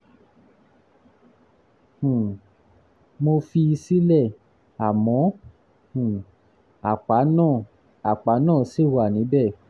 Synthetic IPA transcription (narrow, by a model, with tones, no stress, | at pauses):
hũ˨ | mo˧fi˧i˧si˦lɛ˦˨ | a˨mɔ̃˨˦ | hũ˨ | a˨k͡pa˨˦nãː˦˨ | a˨k͡pa˨˦nãː˦˨si˦˨wa˨nĩ˨˦bɛ˦˨